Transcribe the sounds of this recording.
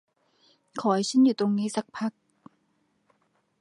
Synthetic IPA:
kʰɔː˩˦jt͡ɕʰɯ˦˥njuː˨˩t̪o˧ŋniː˦˥sa˧˦k̚pʰa˦˥k̚

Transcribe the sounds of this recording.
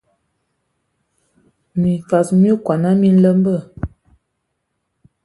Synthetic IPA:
mi˨fa˨sm˦i˦kwa˨na˦mi˦n˦lə˦mbə˦˨

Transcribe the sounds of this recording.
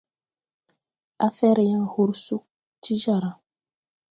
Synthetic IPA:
a˦fɛ˦ɾjã˦hu˦ɾsu˦ | t͡ʃi˦d͡ʒa˨ɾa˨

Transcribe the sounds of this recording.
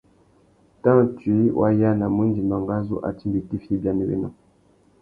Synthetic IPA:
ta˦twi˨˦wʔa̰˦ja˦na˨mu˦n˦di˨ma˨ŋɡa˦zṵ˦ʔa̰˨ti˦mbi˨ti˦fi˦ba˦ni˨bḛ˦nɔ̰˦

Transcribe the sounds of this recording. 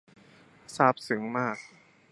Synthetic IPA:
saː˥˩p̚sɯ˩˦ŋmaː˥˩k̚

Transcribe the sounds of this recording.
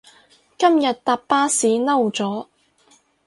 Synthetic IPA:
kɐ˥mjɐ˨t̪̚t̪aː˧ppːaː˥siː˨˥nɐ˥wt͡sɔː˨˥

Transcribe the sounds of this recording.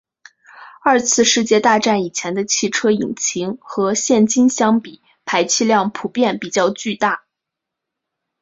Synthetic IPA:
ɐ˞˥˧t͡sʰɹ̩˥˧ʂɻ̩˥˧t͡ɕjɛ˥˧t̪a˥˧ʈ͡ʂa˥˩ni˨˩t͡ɕʰjɛ˧˥nd̪ə˧t͡ɕʰi˥˩ʈ͡ʂʰɤ˥i˨˩ŋt͡ɕʰi˧˥ŋxɤ˧˥ɕjɛ˥˩nt͡ɕi˥nɕjɑ˥ŋpi˨˩˦ | pʰa˧˥ɪt͡ɕʰi˥˧ljɑ˥˩ŋpʰu˨˩pjɛ˥˩npi˨˩t͡ɕjɑ˥˧ʊt͡ɕy˥˧t̪a˥˩

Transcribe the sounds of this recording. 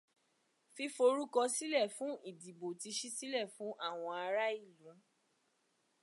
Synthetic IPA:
fi˧fo˧ɾu˦kɔ˧si˦lɛ˦˨fũ˨˦i˦˨di˨bo˨ti˧ʃi˦si˦lɛ˦˨fũ˨˦ʔa˦˨w̃ɔ̃˧a˧ɾa˦i˦˨lũ˨˦

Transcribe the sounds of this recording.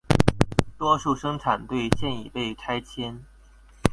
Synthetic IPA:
t̪wɔ˥ʂu˥˩ʂɤ˥ŋʈ͡ʂʰa˨˩nt̪we˥˧ɪɕjɛ˥˧ni˨˩pe˥˩ɪkʰa˥ɪt͡ɕʰjɛ˥n

